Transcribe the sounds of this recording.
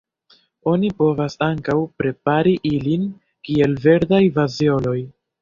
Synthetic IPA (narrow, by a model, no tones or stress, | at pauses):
o̞nipo̞vasaŋkawpɾe̞p̚aɾiʔilin | kie̞lve̞ɾdajvazio̞no̞j